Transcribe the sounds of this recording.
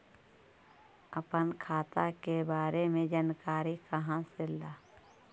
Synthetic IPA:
əpənkʰaːt̪akebaːɾemẽd͡ʒaːnkaːɾikəɦãselaː

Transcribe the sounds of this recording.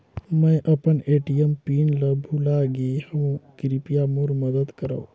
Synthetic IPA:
mɛ̃ʔɐpəneːʈijəmpiːnlɐbʱulaːɡehɐ̃kɪɾipijamoɾməd̪əd̪kəɾo̰ː

